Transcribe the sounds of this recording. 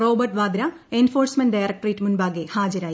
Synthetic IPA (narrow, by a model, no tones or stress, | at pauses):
roːbɐrʈʋaːd̪ɾaenfoːrsmɐnɖɖajrɐk̚ʈɐritːmunbaːɡehaːd͡ʑɐɾaːji